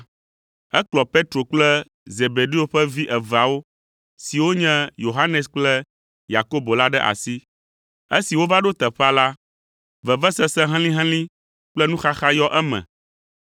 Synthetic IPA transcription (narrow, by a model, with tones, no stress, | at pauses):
ɛ˦klɔ˨pe˦t̪ɾo˨k͡plɛ˦ | ze˨be˨ɖi˦o˨˦ɸɛ˦vi˦ʔɛ˨va˨wo˦ | si˨wo˦ɲɛ̃˦jo˨ɦa˦nɛ˨sk͡plɛ˦ | ja˨ko˦bo˨la˦ɖɛ˦ʔa̰˨si˦ | e˦si˨wo˦va˦ɖo˦t̪ɛ˨ɸa˦la˦ | vɛ˨vɛ˦sɛ˦sɛ̃˦ɦɛ̃˦lĩ˦ɦɛ̃˦lĩ˦ | k͡plɛ˦nũ˦xa˦xa˦jɔ˦ʔɛ˦mɛ̰̃˨